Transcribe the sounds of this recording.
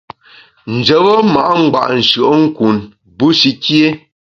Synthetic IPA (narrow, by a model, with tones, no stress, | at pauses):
n̩˨d͡ʒə˨bə˦ma˨ʔa˦ŋ͡m̩˦ɡ͡ba̰˨ʔn̩˨ʃɰə˨ʔŋ̩˦ku˨n | bu˦ʃi˦kje˦